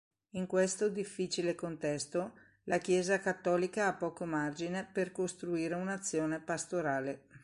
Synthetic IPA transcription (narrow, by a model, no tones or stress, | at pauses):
iŋkwest̪od̪ifːit͡ʃilekont̪ɛst̪o | lakjɛːzakat̪ːɔːlikaapːɔːkomard͡ʒineperkost̪ɾuiːɾeunat̪sːjoːnepast̪oɾaːle